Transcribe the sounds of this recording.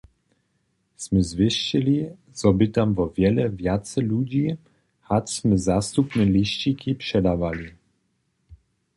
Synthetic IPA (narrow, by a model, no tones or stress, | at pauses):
smɛzvʲɪʂt͡ɕɛlʲi | zɔbɪt̪amvɔvʲjɛlɛvjat̪sɛlud͡ʑi | hatsmɛzast̪upnɛlʲiɕt͡ɕikipʂɛd̪avalʲi